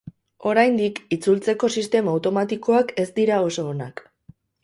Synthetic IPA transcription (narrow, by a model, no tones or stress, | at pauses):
o̞ɾajnd̪ikit͡sult͡se̞ko̞sist̪e̞maːwt̪o̞mat̪iko̞ake̞st̪iɾao̞so̞ːnak